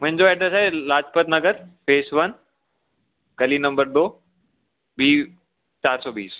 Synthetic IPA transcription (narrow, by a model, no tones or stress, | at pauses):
mʊ̃ɦɪ̃ɲd͡ʑoɛːʈɾesalaːd͡ʑpət̪nɐɡəɾfeːsʋɐn | ɡɐlinɐ̃mbəɾd̪oː | biː | t͡ɕaːɾsɔːbḭːs